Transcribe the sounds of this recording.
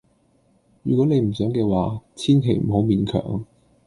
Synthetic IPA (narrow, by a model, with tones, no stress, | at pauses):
jyː˨˩kʷwɔ˨˥ne˨˧jm̩˨˩sœː˨˥ŋkɛː˧waː˨˥t͡sʰiː˥nkʰe˨˩jm̩˨˩ho˨˥wmiː˨˧nkʰœ̰ː˨˩ŋ